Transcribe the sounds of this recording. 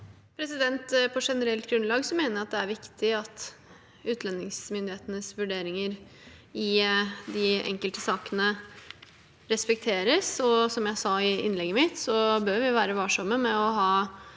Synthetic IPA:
pʰɾɛsɪd̪ɛnt̪pʰɔʂɛnəɾɛlt̪ɡɾʉnlɑːɡsɔmeːnəɾɑt̪̚d̪ɛæɾʋɪkt̪ʰɪɑt̪ | ʉːt̪ʰlɛnːɪŋsmʏnd̪ɪheːt̪ənəsʋʉɖeːɾɪŋəɾ | ɪd̪ɪɛ̰ŋkəlt̪əsɑːkənə | ɾɛspɛkt̪ʰeːɾəsɔsɔmjæɪsɑɪʔɪ̰nlɛɡːəmɪt̪sɔbøːɾʋɪʋæːɾəʋɑʂɔmːəmɛɔɦɑː

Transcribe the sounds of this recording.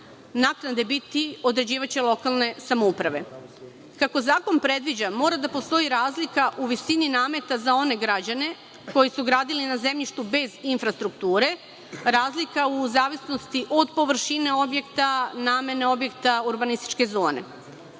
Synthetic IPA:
naknad̪ebit̪io̞d̪ɾe̞d͡ʑiːʋat͡ɕelˠo̞kalˠne̞samoupɾaʋe̞ | kako̞zaːko̞npɾe̞d̪ʋid͡ʑamo̞ːɾad̪apo̞st̪o̞iɾaːzlikaʔuʋisininaːme̞t̪azao̞ne̞ɡɾad͡ʑane̞ | ko̞jisuɡɾaːd̪ilinaze̞mʎiʃt̪ube̞zinfɾast̪ɾukt̪uːɾe̞ | ɾaːzlikauzaːʋisno̞st̪iʔo̞d̪po̞ʋr̩ʃine̞o̞bje̞kt̪anaːme̞neo̞bjekt̪auɾbanist̪i̥t͡ʃke̞zo̞ːne̞̰

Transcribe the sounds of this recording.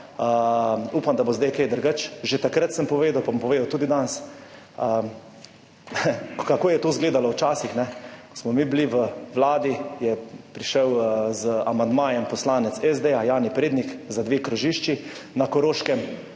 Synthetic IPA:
əuːpamd̪abozd̪ajkejd̪əɾɡət͡ʃʒet̪akɾət̪səmpɔʋeːd̪awpampɔʋeːd̪awt̪uːd̪id̪ans | ə | kakoːjɛt̪oːzɡleːd̪alɔwt͡ʃaːsixnɛkɔ̥smɔmibliʋəʋlaːd̪ijɛpɾiʃəwzamand̪maːjɛmpɔslaːnɛt̪sɛzd̪eajaːnipɾeːd̪nikzad̪ʋeːkɾɔʒiːʃt͡ʃi | nakɔɾoːʃkɛm

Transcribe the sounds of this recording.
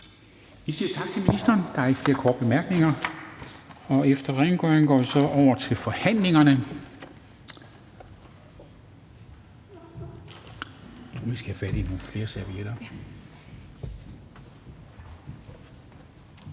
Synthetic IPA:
ʋisiːɐt͡sʰɑ̈ɡ̥̚t͡sʰe̝lminisd̥ɐːnd̥ɑ̈ɐeɡfle̝ːɐkʰɒ̰ːd̥̚b̥e̝mæɐɡ̥ne̝ŋɐ | ɒ̽efd̥ɐʁɛnɡ̥œnɡ̥ɒ̰ːʋisɒ̽ʔɒʊ̰ɐt͡sʰe̝lfɒ̽hæn̰le̝ŋɐnə | uʋisɡ̥æfæɾ̥ino̝ːfle̝ːɐsæɐʋieɾ̥ɐ

